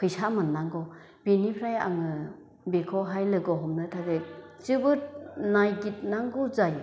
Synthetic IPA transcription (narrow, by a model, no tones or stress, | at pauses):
kʰɯjsamɯnːaŋɡɔ | benipʰɾaja̰ŋɯ | bekʰɔɦajlɯɡɔɦɔmnɯtʰaɡet͡ʃɯbɯɾnajɡit̚naŋɡuzaj